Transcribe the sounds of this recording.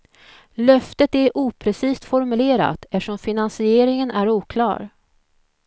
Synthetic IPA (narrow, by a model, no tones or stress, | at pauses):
lœft̪ət̪æɾʔuːpʰɾɛsiːst̪fɔɾmɵleːɾa̰t̪ɛʂɔmfɪnansɪeːɾɪŋənæɾuːkʰlɑ̰ːɾ